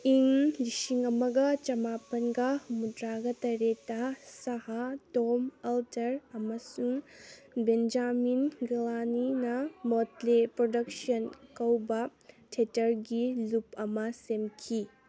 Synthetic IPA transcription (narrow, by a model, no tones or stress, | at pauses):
iŋlisiŋɐmɐɡɐt͡ʃɐmapɐnɡɐmudɾaɡɐtɐɾetːɐsɐɦatomɐltɐɾɐmɐsuŋ | bend͡ʒaminɡlaninɐmotlepɾodɐksɐnkɐwbɐtʰetɐɾɡilupɐmɐsemkʰi